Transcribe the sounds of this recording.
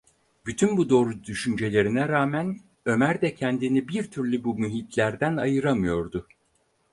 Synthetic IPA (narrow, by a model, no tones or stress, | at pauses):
byt̪ʰynbud̪o̞ːɾud̪yʃynd͡ʒe̞lʲe̞ɾinɛɾaːmæn | ø̞mæɾd̪ɛcʰɛnd̪inibiɾt̪ʰyɾlʲybumyɦit̪ʰlʲæɾd̪ænajɯɾamɯjo̞ɾd̪ʊ